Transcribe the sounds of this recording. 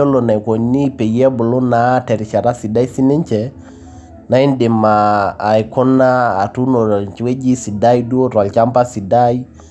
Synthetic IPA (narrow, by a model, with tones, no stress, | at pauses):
ɔ˦lɔ˨na˨i˨kɔ˨ni˦pe˨˦ɛ˦bo˨lɔ˦na˦tɛ˨ɾi˨t͡ʃa˨ɾa˦si˨da˦i˦si˦nɛ˦ɲt͡ʃɛ | na˨˦i˦n˦dɪ˨maː˨i˨kɔ˦naː˦˨tu˦nɔ˨t͡ʃwe˦d͡ʒi˦si˨da˦i˦du˦o˦ɾwa˨lt͡ʃa˦mpa˦si˨da˦i˦